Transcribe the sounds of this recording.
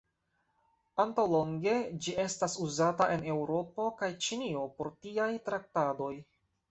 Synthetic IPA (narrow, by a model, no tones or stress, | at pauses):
antawlo̞ŋɡe̞d͡ʒie̞stasuzataʔe̞ne̞wɾo̞po̞kajt͡ʃinio̞po̞ɾtiajtɾak̚tado̞j